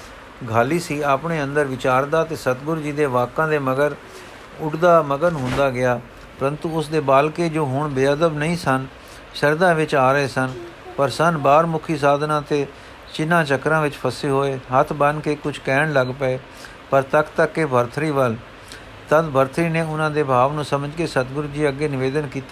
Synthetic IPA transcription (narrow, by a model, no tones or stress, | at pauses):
ɡʱaːliːsiːaːpɳeːənd̪əɾʋɪt͡ʃaːɾd̪aːt̪eːsət̪ɡʊɾd͡ʒiːd̪eːʋaːkːãːd̪eːməɡəɾ | ʊɖd̪aːməɡənɦʊ̃nd̪aːɡɪaː | pəɾənt̪uːʊsd̪eːbaːlkeːd͡ʒoːɦʊɳbɪaːd̪əbnəĩːsən | ʃəɾd̪ãːʋɪt͡ʃaːɾəeːsən | pəɾsənbaːɾmʊkʰiːs̬aːd̪nãːt̪eː | t͡ʃɪnːãːt͡ʃəkɾãːʋɪt͡ʃpʰəseːɦoːeːɦət̪ʰbənkeːkʊt͡ʃʰkɛːɳləɡpəeː | pəɾt̪əkt̪əkːeːbʱəɾt̪ʰɾiːʋəl | t̪əd̪bʱəɾt̪ʰɾiːneːʊnãːd̪eːbʱaːʋnũːsəməd͡ʒkeːsət̪ɡʊɾd͡ʒiːəɡːeːnɪʋeːd̪ənkiːt̪ː